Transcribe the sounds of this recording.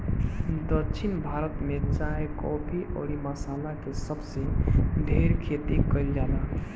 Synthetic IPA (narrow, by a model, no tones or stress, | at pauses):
d̪ət͡ʃʰinbʱaɾət̪met͡ʃaɦekɔbiʔɔ̰ɾiməsalakesəbsẽd̪ʱeɾkʰet̪ikəɪld͡ʒala